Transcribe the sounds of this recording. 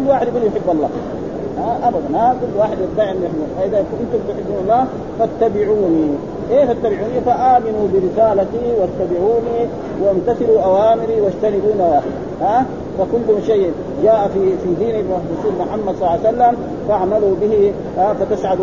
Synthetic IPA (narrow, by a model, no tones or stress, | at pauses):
lːwaːħɪd̪biljħɪbːɑlˤːɑ̰ː | haʔabad̪ˤanhakulːwaːħɪd̪at̪ːaːʕʔnːjħɪbːufaʔid̪akʔɪnt̪umbt̪uħɪbːunɑlˤːɑː | fat̪ːabiʕuːni | keːfat̪ːabiʕuːnifaʔaːminubiɾɪsaːlat̪iwat̪ːabiʕuːni | want̪aθiluʔawaːmiɾiwaʃt̪anid̪uːnawaːħɪd̪ | ha | fakulːumʃeː | d͡ʒaːʔafifid̪iːnibɾʊsuːlmʊħamːad̪sˤɑlːsalːam | faʕmalubihi | afat̪asʕad̪